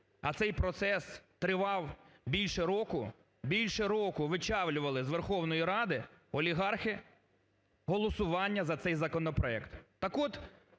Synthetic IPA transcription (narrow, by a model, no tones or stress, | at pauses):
ɐ̰t̪sɛjpɾɔt̪sɛst̪ɾɪʋɑwbʲilʲʃɛɾɔkʊ | bʲilʲʃɛɾɔkʊʋɪt͡ʃɑwlʲʊʋɐlˠɪzʋerxɔwnɔjiɾɑd̪ɪɔlʲiɦɑrxɪ | ɦɔlˠɔsʊʋɑnʲːɐzɐt̪sɛjzɐkɔnɔpɾɔɛkt̪t̪ɐkɔt̪